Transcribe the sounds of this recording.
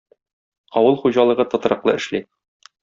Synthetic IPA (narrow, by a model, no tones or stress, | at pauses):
ɒwɤlˠχuʑɑlˠɤ̆ʁɤt̪ɒ̆t̪ɑ̆ɾɤ̆qlˠɤɘ̆ʃli